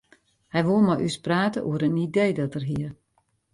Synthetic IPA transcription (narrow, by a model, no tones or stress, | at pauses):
hɛjʋolˠmɔjʔyspraːtəʔṵəɾənideːdɔtərɦiər